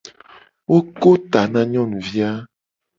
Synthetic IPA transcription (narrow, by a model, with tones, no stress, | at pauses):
wo˦ko˦t̪a˨nã˦ɲɔ̃˦˨nũ˨vi˦a˦